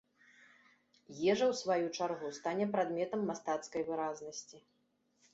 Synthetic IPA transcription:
jɛʐɐwsvajut͡ʂarɣust̪anʲɛpɾad̪mʲɛt̪ɐmːast̪at̪skɐjvɨɾaznɐsʲt͡sʲi

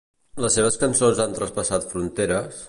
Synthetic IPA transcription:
ləsːeβ̞əskənsonzant̪ɾəspəsat̪fɾunt̪eɾəs

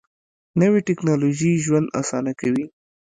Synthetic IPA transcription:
nəwiʈɪknɑloʒiʒwand̪a̰sɑnakawi

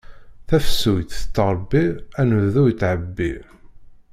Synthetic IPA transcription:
θæfəsujt̪t̪ːəɾˤbːiænvðujət̪ːʕəbːi

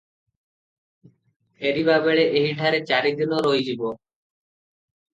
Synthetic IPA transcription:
eɾibabeɭeʔeɦiɖʱaɾet͡ɕaɾed̪inoɾojd͡ʑibo

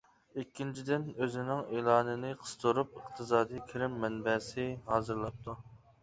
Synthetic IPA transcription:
ikʲːint͡ʃʰid̪ɪnøzɪnɪŋeːlˠɑːnɨnɪqʰə̥st̪ʰoɾup̚əq̚t̪ʰɨzɑːd̪ijkʲʰiɾɪmːɛnbɛsɪɦɑːzɨɾlˠɑp̚t̪ʰu

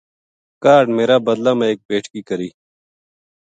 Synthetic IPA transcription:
kaːɾɖmeːɾaːbəd̪laːmẽːeːk̚peːʈʰkiːkəɾiː

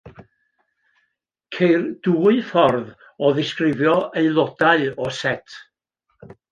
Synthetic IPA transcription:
kʰejrd̥uːɨfɔrð | ɔðɪskrɪvjɔeɨlˠɔdaɨɔsɛtʰ

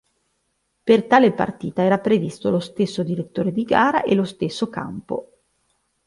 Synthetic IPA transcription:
pert̪aːlepa̰rt̪iːt̪aɛːɾapɾevist̪olost̪esːod̪iɾet̪ːoːɾed̪iɡaːɾa̰ʔelost̪esːoka̰mpo̰

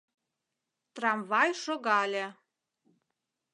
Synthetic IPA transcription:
t̪rɑmvɑjʃoɣɑlʲĕ

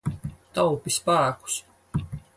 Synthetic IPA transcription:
t̪awpispæːku̥s

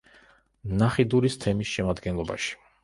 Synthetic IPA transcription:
naχid̪uɾist̪ʰɛmisʃɛmad̪ɡɛnlˠɔba̰ʃi̥

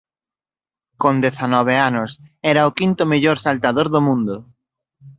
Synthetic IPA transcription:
kõnd̪eθanɔβ̞eanʊsɛɾaʊkint̪ʊmeʎoɾsalt̪aðoɾðomũnd̪ʊ

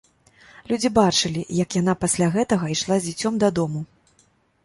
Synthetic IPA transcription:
lʲud͡zʲibat͡ʂɨlʲijɐkjan̪apasʲlʲaɣɛt̪ɐɣɐiʂlˠazʲd͡zʲit͡sʲɔmd̪ɐd̪ɔmu

